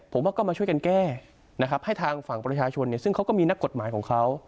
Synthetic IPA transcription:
pʰo˩˦mwaː˥˩kɔː˥˩maː˧t͡ɕʰu˥˩əka˧nkɛː˥˩ | na˦˥kʰa˦˥p̚ha˥˩jt̪ʰaː˧ŋfa˨˩ŋpɾa˧t͡ɕʰaː˧t͡ɕʰo˧nːi˥˩sɯ˥˩ŋkʰa˦˥wkɔː˥˩miː˧na˦˥kːo˨˩t̪̚maː˩˦jkʰɔː˩˦ŋkʰa˦˥w

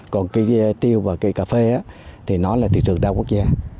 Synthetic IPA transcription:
kɔ˨˩nkaː˨˦jt̪i˧əwvaː˨˩kaː˨˦jkaː˨˧˩fe˧ʔaː˨˦t̪ʰi˨˩nɔ˨˦laː˨˩t̪ʰḭ˧˨t͡ɕɨ˨˩əŋɗaː˧ku˦˥ək̚zaː˧

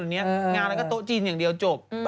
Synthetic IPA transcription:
ni˧˦ə˦ŋaː˧˩aː˨˩kaː˦˥k̚t̪o̰˧˨t͡ɕi˧˩nɲɨ˧˩ŋɗi˨˩əwt͡ɕo˨˧˩p̚ɓ

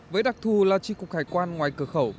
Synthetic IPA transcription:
vəː˨˦jɗa˨˩k̚t̪ʰu˨˩laː˨˩t͡ɕi˧˩kʊ˨˩k͡p̚haː˧˩jkwaː˧nŋwaː˨˩jkɨ˧əxə˧˩w

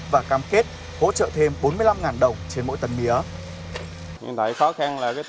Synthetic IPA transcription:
vaː˨˩kaː˧mke˦˥t̚ | ho̰˧˥t͡ɕə̰ː˧˨t̪ʰe˧mɓo˨˦nmɨ˧əjla˧mŋaː˨˩nɗə˨˩wŋ͡mt͡ɕe˧nmo̰˧˥jt̪ə˨˩nmi˨˦ə | ɲɨ̰˧ŋt̪a˧˩jxɔ˨˦xa˧nlaː˨˩kaː˨˦j

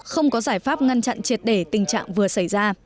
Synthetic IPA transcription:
xə˧wŋ͡mkɔ˨˦zaː˧˩jfaː˦˥p̚ŋa˧nt͡ɕa̰˧˨nt͡ɕi˨˩ət̚ɗe˧˩t̪ï˨˩ŋ̟t͡ɕa̰ː˧˨ŋvɨ˨˩əsa˧˩jzaː˧

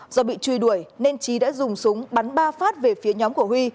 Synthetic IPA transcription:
zɔ˧ɓḭ˧˨t͡ɕwi˧jɗu˧˩əjne˧nt͡ɕi˨˦ɗa̰ː˧˥zʊ˨˩ŋ͡msʊ˨˦ŋ͡mɓa˨˦nɓaː˧faː˦˥t̚ve˨˩fi˨˦əɲɔ˨˦mku˧˩əhwi˧

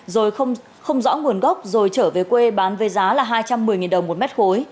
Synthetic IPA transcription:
zo˨˩jxə˧wŋ͡m | xə˧wŋ͡mzɔ̰˧˥ŋu˨˩ənɣə˦˥wk͡p̚zo˨˩jt͡ɕəː˧˩ve˨˩kwe˧ɓaː˨˦nve˨˦jzaː˨˦laː˨˩ɦaː˧jt͡ɕa˧mːɨ˨˩əjŋi˨˩nɗə˨˩wŋ͡mmo˨˩t̚mɛ˦˥t̚xo˨˦j

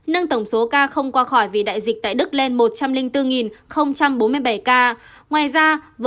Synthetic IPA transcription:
nə˧ŋt̪ə˧˩wŋ͡mso˨˦kaː˧xə˧wŋ͡mkwaː˧xɔ˧˩jvi˨˩ɗa̰ː˧˨jzï˨˩k̚t̪a̰ː˧˨jɗɨ˦˥k̚le˧nmo˨˩t̚t͡ɕa˧mlï˧ŋt̪ɨ˧ŋi˨˩nxə˧wŋ͡mt͡ɕa˧mɓo˨˦nmɨ˧əjɓa˧˩jkaː˧ | ŋwaː˨˩jzaː˧və˨

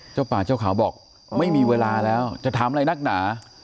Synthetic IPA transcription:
t͡ɕaː˥˩wpaː˨˩t͡ɕaː˥˩wkʰaː˩˦wbɔː˨˩k̚ | ma˥˩jmiː˧weː˧laː˧lɛː˦˥wt͡ɕa˨˩t̪ʰaː˨˦mla˧jna˦˥˩k̚naː˩˦

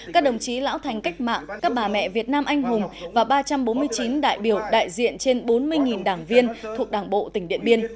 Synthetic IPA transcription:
kaː˦˥k̚ɗə˨˩wŋ͡mt͡ɕi˨˦la̰ː˧˥wt̪ʰa˨˩jŋ̟ka˦˥jk̟̚ma̰ː˧˨ŋkaː˦˥k̚ɓaː˨˩mɛ̰˧˨vi˨˩ət̚naː˧mʔa˧jŋ̟ɦʊ˨˩ŋ͡mvaː˨˩ɓaː˧t͡ɕa˧mɓo˨˦nmɨ˧əjt͡ɕi˨˦nɗa̰ː˧˨jɓi˧˩əwɗa̰ː˧˨jzḭ˧˨ənt͡ɕe˧nɓo˨˦nmɨ˧əjŋi˨˩nɗaː˧˩ŋvi˧ənt̪ʰu˨˩ək̚ɗaː˧˩ŋɓo̰˧˨t̪ï˧˩ŋ̟ɗḭ˧˨ənmɓi˧ən

